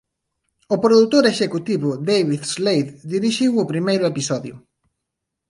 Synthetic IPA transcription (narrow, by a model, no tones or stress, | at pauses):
ʊpɾoðut̪oɾeʃekut̪iβʊd̪ejβiðzlejðd̪iɾiʃiwʊpɾimejɾʊepisɔðjʊ̰